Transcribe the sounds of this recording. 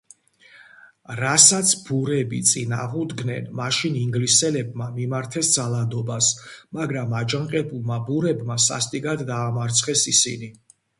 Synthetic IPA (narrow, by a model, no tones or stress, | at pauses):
ɾasat̪sʰb̥uɾɛbḭt̪sʼina̰ʁud̪ɡnɛnmaʃiniŋɡlisɛlɛbmamimaɾt̪ʰɛsd̪zalˠad̪ɔbasmaɡɾamad͡ʒaŋqʼɛbulˠmabuɾɛbmasa̰st̪ʼiɡad̪ːaːmaɾt̪sʰχɛsisḭni